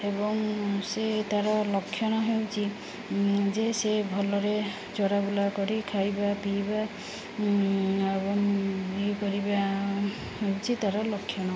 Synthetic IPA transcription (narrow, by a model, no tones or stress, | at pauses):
ebɔŋset̪aɾɔlɔkʰːjɔñɔɦewt͡ʃʰi | d͡ʒesebʱɔlɔɾe | t͡ʃɔɾabulakɔɾikʰajbapiba | ebɔŋikɔɾiba | ɦewt͡ʃʰit̪aɾɔlɔkʰːjɔnɔ